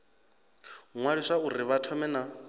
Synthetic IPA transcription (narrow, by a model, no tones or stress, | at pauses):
ŋwaɺiʂauɾiβatʰɔmɛna